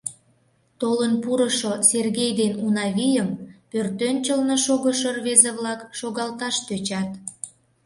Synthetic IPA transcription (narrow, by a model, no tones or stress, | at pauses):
t̪olənpuɾəʃoserɣejd̪enunɑβijəmpørt̪ønt͡ɕəlnoʃoɣəʃərβezeβlɑkʃoɣɑlt̪ɑʃt̪øt͡ɕɑt̪